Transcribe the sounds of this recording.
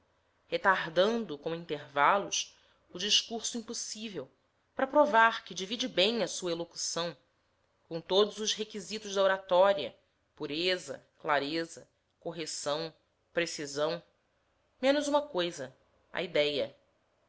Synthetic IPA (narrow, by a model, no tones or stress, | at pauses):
het̪aɦd̪ɐ̃nd̪ʊkõĩnt̪eɾvalʊs | ʊd͡ʒiʃkuɾsʊĩpusivew | pɾɐpɾovaɾkɪd͡ʒivid͡ʒɪbẽj̃ɐsuɐeloku̥sɐ̃w̃ | kõt̪od̪ʊzʊzɦekizit̪ʊʒd̪ɐoɾat̪ɔɾiɐ̰ | puɾezɐ̰klaɾezɐ | koɦesɐ̃w̃ | pɾesizɐ̃w̃ | mẽnʊzũmɐkojzɐ | ɐ̰id̪ɛjɐ